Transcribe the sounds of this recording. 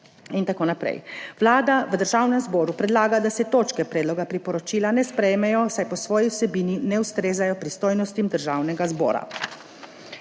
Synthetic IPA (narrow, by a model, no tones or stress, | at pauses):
int̪akoːnapɾɛ̰jʋlaːd̪aʋəd̪əɾʒaːwnɛmzbɔːɾupɾɛd̪laːɡad̪asɛt̪oːt͡ʃkɛpɾɛːd̪lɔɡapɾipɔɾɔt͡ʃiːlanɛspɾɛjmɛjɔsajpɔsʋɔːjiwsɛbiːninɛust̪ɾeːzajɔpɾist̪oːjnɔst̪imd̪əɾʒaːwnɛɡazbɔ̰ːɾa̰